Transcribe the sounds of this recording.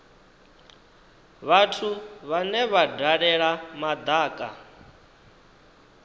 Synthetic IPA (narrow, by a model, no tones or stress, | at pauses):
βatʰuβanɛβadaɺɛɺamad̪aːkʼa̰